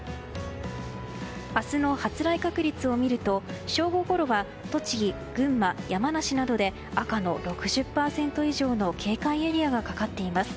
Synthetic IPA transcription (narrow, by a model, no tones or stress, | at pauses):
asɨno̞hat͡sɨɾaikakɯ̟ɾʲit͡sɨo̞mʲiɾɯ̟t̪o̞ɕo̞ːɡo̞ko̞ɾo̞βa | t̪o̞t͡ɕiɡʲi | ɡ̥ɯ̟̃mːajamanaɕinad̪o̞d̪e̞ | akano̞ɾo̞kɯ̟ʑɨpːaːsẽ̞nt̪o̞iʑo̞ːno̞kʰe̞ːkaie̞ɾʲiaɡakakat̪ːe̞imasɨ̥